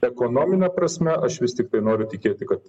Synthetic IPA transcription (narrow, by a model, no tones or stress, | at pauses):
ɛkoːnoːmʲɪnʲɛpɾɐsʲmʲɛʔɐʃʋʲɪsʲt̪ʲɪk̚t̪ɐɪnoːɾʲʊt̪ʲɪkʲeːt̪ʲɪkɐt̪